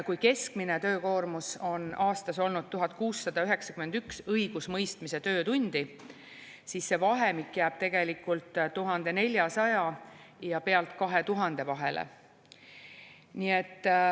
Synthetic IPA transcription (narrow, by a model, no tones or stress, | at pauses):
kujke̞skmine̞t̪ø̞ːko̞ːrmuso̞nɑːst̪ɑso̞lnud̪̚t̪uɦɑt̪̚ˑkuːsːɑd̪̥ɑyɦe̞ksɑkyme̞nd̪̥yksɤjɡ̥usmɤjst̪mise̞t̪ø̞ːt̪unʲd̪̥i | sisːe̞vɑɦe̞mikːjæːb̥̚t̪e̞ɡ̥e̞likːˑult̪t̪ːuɦɑnd̪̥e̞ne̞lʲjɑsɑjɑjɑpe̞ɑlt̪ˑkɑɦe̞t̪uɦɑnd̪̥e̞vɑɦe̞̰lḛ | nie̞t̪ː